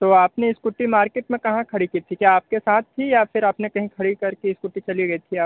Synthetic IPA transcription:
t̪oːaːpneɪskʊʈːimaːɾkeːʈmẽkɐɦãkʰɐɽikiːt̪ʰikjaːp̚kesaːt̪̚ʰt̪ʰːijafʰɪɾaːpnekɐɦĩkʰɐɽikɐɾkiɪskʊʈːit͡ʃɐliɡɐit̪ʰiaːp

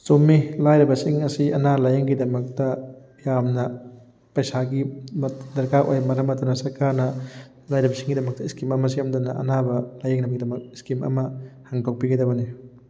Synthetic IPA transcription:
somːilajɾibɐsiŋɐsiʔɐnalajeŋɡidɐmɐk̚tɐ | jamnɐ | pɐjsaɡimdɐɾkaʔojmɐɾɐmɐtunɐsɐɾkaɾnɐ | lajɾibɐsiŋɡidɐmɐk̚tɐiskimɐmɐs̬ijamdunɐʔɐ̰nabɐlajeŋnɐmɡidɐmɐk̚iskimɐ̰mɐhaŋtaw̚piɡɐdɐbɐni

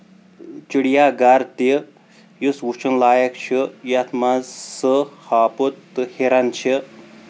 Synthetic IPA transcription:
t͡ʃiɽjaɡaɾt̪i | juswut͡ʃʰənlaːjɐkt͡ʃʰijat̪ʰmazsɨhaːput̪ːɨheɾant͡ʃʰi

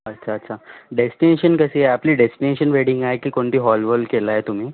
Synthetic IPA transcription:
ətːɕʰaːtːɕʰaɖesʈineɕənkəsiːeapliːɖesʈineɕənʋeɽĩŋɡajkiːkoɳʈ̪iːɦɔlʋəlkelaɦet̪um̤iː

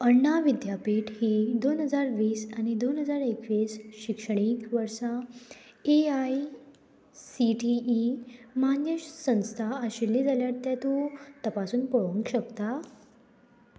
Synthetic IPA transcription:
əɾɳaʋid̪japiʈhiːd̪onɦəd͡zaɾʋiːsanid̪onɦəd͡zaɾekʋiːsɕikʂəɳ̃ikʋəɾsã | eaj | siʈiːmanjəɕsə̃w̃st̪ʰaəɕilːiːd͡zaljaɾt̪jat̪ut̪əpasuːnpəɭə̃ŋkɕəkt̪a

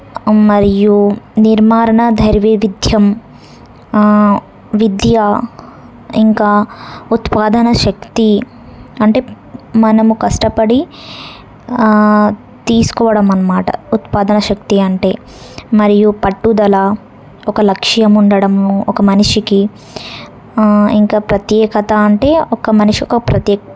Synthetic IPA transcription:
mɐɾijuniɾmaːɾɐɳɐd̪ʱɐɾʋiʋid̪ʱjɐm | ʋid̪ʱjaː | iŋkaːut̪paːd̪ɐnɐʃɐkt̪i | ɐɳʈeː | mɐnɐmukɐʂʈɐpɐɽi | t̪iːsu̥kɔːʋɐɽɐmːɐnːɐmaːʈɐ̰ut̪paːd̪ɐnɐʃɐk̚t̪iɐɳʈe̞ː | mɐɾijupɐʈːud̪ɐlaː | ɔkɐlɐkʂjɐmuɳɖɐɽɐmɔkɐmɐniʂiki | iŋkaːpɾɐt̪jɛːkɐt̪aɐɳʈe̞ːɔkɐmɐniʂiɔkɐpɾɐt̪jɛ

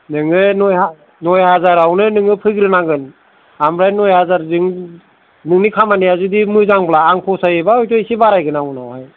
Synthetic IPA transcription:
nɯŋɯnɔja | nɔjhazaɾawnɯnɯŋɯpʰɯɡɾɯnaŋɡɯn | amɾajnɔjhazaɾzɯŋ | nɯŋnikʰamaniazudimɯzaŋblaːŋpʰɔsajɯbaɔjtɔjsibaɾajɡɯnawnawhaj

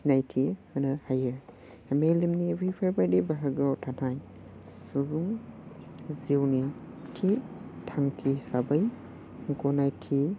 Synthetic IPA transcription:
najtʰihɯnɯhajɯ | mejlimniɾipʰaɾbadibaɦaɡawtʰanaj | suɡuŋ | ziwni | tʰitʰaŋtʰisabɐj | ŋkɔnajtʰi

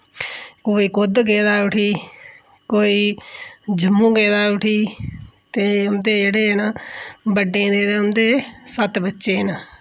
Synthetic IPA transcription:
koːiːkod̪ɡeːd̪aːʊʈʰiː | koːiː | d͡ʒʱəmːũːɡeːd̪aːʊʈʰiːt̪eːʊmd̪eːd͡ʒeːɽeːnãːbəɖẽːd̪eːd̪eːʊnd̪eːsət̪bətːʃeːnaː

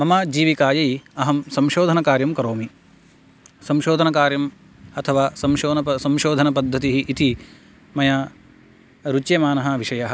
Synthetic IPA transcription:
mɐmaːd͡ʒiːʋikaːjɐiɐɦɐmsɐmʃoːd̪ʱɐnɐkaːɾjɐmkɐɾoːmi | sɐmʃoːd̪ʱɐnɐkaːɾjɐm | ɐt̪ʰɐʋaːsɐmʃoːnɐɐsɐmʃoːd̪ʱɐnɐpɐd̪ʱːɐt̪iɦiʔːt̪i | mɐjaː | ɾut͡ʃjɐmaːnɐɦɐ̆ʋiʃɐjɐɦɐ̆

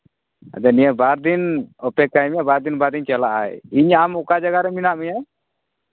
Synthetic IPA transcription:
a̰d̪ɛnijabaɾd̪inɔpɛkajmiabaɾd̪inbaɾd̪int͡ʃɛlaʔa̰jiɲamukad͡ʒaɡaɾɛminaʔmiɲaj

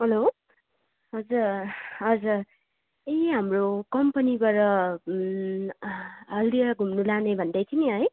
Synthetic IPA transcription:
ɦʌlo | ɦʌd͡zuɦʌd͡zur | eɦamrokʌmpʌnibʌɾʌ | ʌld̪iʌɡʱumnulanebʱʌnd̪ʌjt̪ʰiniɦʌj

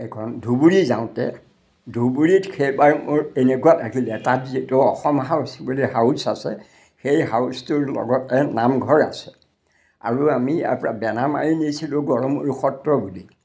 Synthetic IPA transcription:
ɛkʰɔndʱubuɹizaʊ̃tɛ̰ | dʱubuɹitxʰejbaɹmʊɹenekuatakilɛtatzitʊɔxɔmɦawsbuliɦawsasɛ̰ | xejɦawstuɹlɔ̰ɡɔtɛnamɡʱɔɹa̰sɛ̥ | a̰ɹuamia̰pa̰bɛnama̰ɹinisilʊɡɔɹɔmuɹuxɔtːɹɔbuli

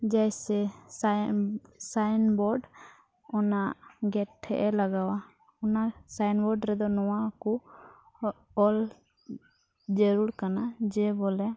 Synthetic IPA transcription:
d͡ʒɛjsɛs | saɪnbɔɖ | ɔnaɡɛʈʰːɛ̰ʔɛləɡawa | ɔnasaɪnbɔɖɾɛd̪ɔnɔwãku | ɔl | d͡ʒəɾuɾkanad͡ʒɛbolɛ

